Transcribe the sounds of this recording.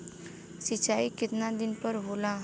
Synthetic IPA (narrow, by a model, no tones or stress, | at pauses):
sɪt͡ʃaːikɪt̪nad̪ɪnpəɾɦoːlã